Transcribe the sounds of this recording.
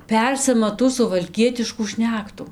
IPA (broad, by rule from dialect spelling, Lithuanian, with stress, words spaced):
ˈpʲɛrʲsʲɪmɐ tuː sʊʋɐlʲˈkʲiɛtʲɪʃkuː ˈʃʲnʲæːktʊ